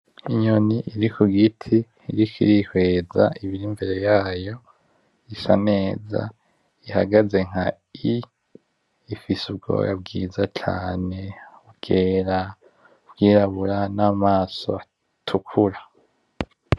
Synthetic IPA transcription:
iɲoniʔiɾikuɡitʰiː | ɾikʰiɾihwe̞ːzaʔiβiɾimbe̞ɾe̞jaːjo̞ | isane̞ːza̰ | ihaɡaze̞ŋ̥ha̰ | i | ifisubɡo̰ːjab̚ɡḭːzat͡ʃa̰ːne̞ubɡ̥eːɾa | ubɡ̥iːɾaβuɾanaːmaːso̞̰a | tʰukʰuɾa

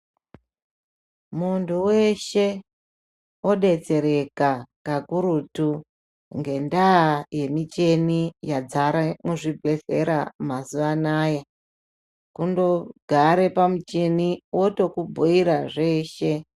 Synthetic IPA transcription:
muntʰuweʃe̞ | oɗe̞t͡se̞ɾe̞kakakuɾutu | ŋɡe̞ndaːje̞mit͡ʃe̞nijad͡zaɾamuʐibʱese̞ɾamazuʋanaːja | kundo̞ɡʱaɾe̞pamut͡ʃe̞niwo̞to̞kubʱoiɾaʐe̞ːʃe̞

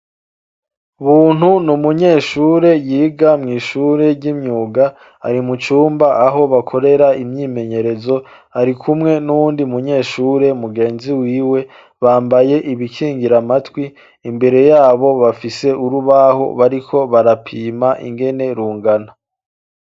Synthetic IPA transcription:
uβuːn̥hunumuɲe̞ːʃuːɾe̞jiːɡamŋiːʃuɾe̞ɟimɲuːɡa | a̰ɾimut͡ʃuːmbaʔaɦo̞βakʰo̞ɾe̞ɾaimɲiːme̞ɲe̞ɾe̞zo̞ | aɾikʰumŋe̞nuβuːndimuɲe̞ːʃuːɾe̞muɡe̞ːnziwiːwe̞ | βaːmbaje̞ʔiβikʰiːŋɡiɾamatwiː | mbe̞ɾe̞jaːβo̞βafise̞ʔuɾuβaho̞̰βaɾikʰo̞βaɾapʰiːmaʔḭŋɡe̞ne̞ɾuːŋɡana

